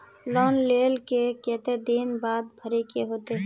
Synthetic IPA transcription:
lɔːnleːlkekẽːt̪ed̪inbaːd̪bʱəɾekeɦoːt̪eɦɛ̃

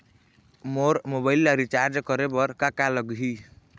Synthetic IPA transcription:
moɾmobailːaɾit͡ʃaɾd͡ʒkəɾebʌɾkakaləɡɦi

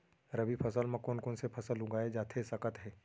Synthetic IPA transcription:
ɾəbipʰɐsəlmãkoːnkoːnsepʰɐsəlɦʊɡaːed͡ʒaːt̪ʰesɐkət̪ɦɛː

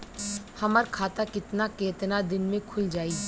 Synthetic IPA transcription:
hɐməɾkʰaːt̪akɪt̪nakeːt̪nad̪ɪnmẽkʰʊld͡ʒaːiː

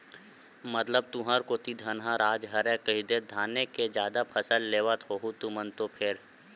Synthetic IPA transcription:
mət̪ləb̚t̪uɦaɾkot̪id̪ʱənɦãɾaːd͡ʒɦɐɾɛ̃kəɦid̪ed̪ʱaːneked͡ʒjaːd̪apʰəsəlːeːʋət̪ɦoːɦut̪umənt̪opʰɪɾ

